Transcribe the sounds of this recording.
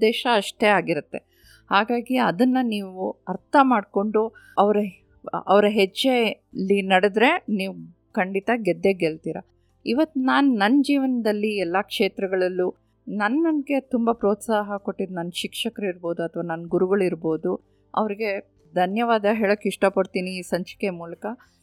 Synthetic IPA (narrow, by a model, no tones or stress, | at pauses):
d̪ɛːʃɐːʂʈe̞aːɡiɾut̪ːe̞ | haːɡaːɡiɐd̪ɐnːɐniːʋuɐɾt̪ʰɐmaːɖko̞ɳɖuɐʋɐɾɐ | ɐ̰ʋɾɐɦed͡ʒːe | lːinɐɽed̪ɾe̞niːʋu | kɐɳɖit̪ɐɡɛd̪ːeɡelt̪iːɾɐ̰ | iʋɐt̪ːunaːnunɐnːɐd͡ʒiːʋɐnɐd̪ɐlːiɛlːakʂeːt̪ɾɐɡɐɭɐlːu | nɐnːɐnɡe̞t̪umbɐpɾo̞ːt̪saːɦɐko̞ʈːid̪nɐnːʃikʂɐkɐɾɐiɾbo̞ːd̪uɐt̪ʰɐʋaːnɐnːɡuɾuɡɐɭiɾbo̞ːd̪u | ɐ̰ʋɐɾiɡe̞ | d̪ʱɐnjɐʋaːd̪ɐɦeːɭokːiʂʈɐpɐɽt̪iːniːsɐɲt͡ʃɐ̥kemuːlɐkɐ